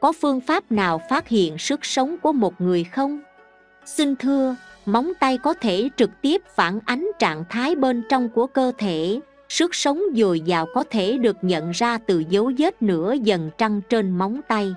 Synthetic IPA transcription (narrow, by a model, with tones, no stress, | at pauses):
kɔ˨˦fɨ˧əŋfaː˦˥p̚naː˨˩wfaː˦˥t̚hḭ˧˨ənsɨ˦˥k̚sə˨˦wŋ͡mku˧˩əmo˨˩t̚ŋɨ˨˩əjxə˧wŋ͡m | sï˧ŋ̟t̪ʰɨ˧əma˨˦wŋ͡mt̪a˧jkɔ˨˦t̪ʰe˧˩t͡ɕɨ˨˩k̚t̪i˦˥əp̚fa̰ː˧˩nʔa˨˦jŋ̟t͡ɕa̰ː˧˨nt̪ʰaː˨˦jɓe˧nt͡ɕɔ˧wŋ͡mku˧˩əkəː˧t̪ʰe˧˩ | sɨ˦˥k̚sə˨˦wŋ͡mzo˨˩jzaː˨˩wkɔ˨˦t̪ʰe˧˩ɗɨ˨˩ək̚ɲə̰˧˨nzaː˧t̪ɨ˨˩zə˨˦wze˦˥t̚nɨ̰˧˥əzə˨˩nt͡ɕa˧ŋt͡ɕe˧nma˨˦wŋ͡mt̪a˧j